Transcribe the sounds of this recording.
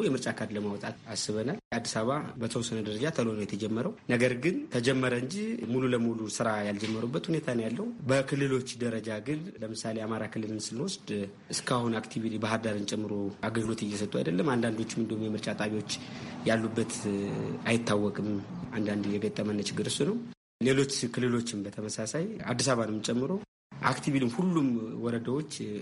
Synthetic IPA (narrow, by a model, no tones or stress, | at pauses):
jɛmɨɾt͡ʃʼakʰad̪ləmawɔt̪ʼat̪asːɨβənalad̪ːisaβabəsəwsɨnəd̪əɾəd͡ʒat̪ʰəlonəwjɛt̪ʰəd͡ʒɛmːəɾəwnəɡəɾɡɨnt̪ʰəd͡ʒɛmːəɾəɨɲd͡ʒihmululəmulusɨɾajald͡ʒɛmːəɾubːət̪hune̞t̪ʰanəwjalːəhubəkʰɨlːɨlo̞t͡ʃːd̪əɾəd͡ʒaɡɨnləmɨsaleamaɾakʰɨlːɨlɨnsɨnwɔsd̪ | ɨskʰahunakt̪ʰiβit̪ʰibaɦad̪aɾɨnt͡ʃʼɛmːɨɾo̞aɡəlɡɨlot̪ɨjːɛsət̪ʼːua̰jd̪əlːəmand̪and̪o̞t͡ʃːmɨnd̪əhumjɛmɨɾt͡ʃʼat̪ʼaβiwo̞t͡ʃːjalːubːət̪ | ajɪt̪ːawːɔkʼɨmand̪and̪ɨjɛɡət̪ʼːəmənːət͡ʃɪɡːɨɾɨsunəw | le̞lo̞t͡ʃːkʰɨlːɨlo̞t͡ʃːɪmbət̪ʰəməsasaja̰d̪ːisaβanɨmɨt͡ʃʼɛmːɨɾo̞ | ʔa̰kt̪ʰiβilɨmhulːumwɔɾəd̪awo̞t͡ʃː